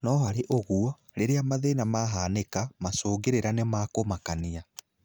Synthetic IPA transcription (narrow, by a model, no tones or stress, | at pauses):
nɔɦaɾeʔoɣuɔ | ɾeɾeamaðenamaɦaːnekamasoːɡeɾeɾanemakomakania